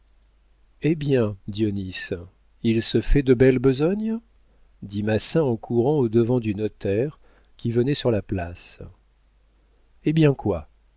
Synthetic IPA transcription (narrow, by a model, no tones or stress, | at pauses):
ebjɛ̃d̪ionis | ilsəfɛd̪əbɛlbəzɔɲ | d̪imasɛ̃ɑ̃kʰuʁɑ̃od̪əvɑ̃d̪ynɔt̪ɛʁ | kʲivənɛsyʁlaplas | ebjɛ̃kwa